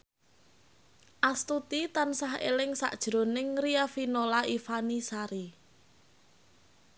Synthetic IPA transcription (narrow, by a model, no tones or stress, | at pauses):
ʔast̪ut̪it̪ansaɦḛlɪŋsa̰ʔd̥ʒ̥ɾo̤nɪŋriafinolaifanisaɾi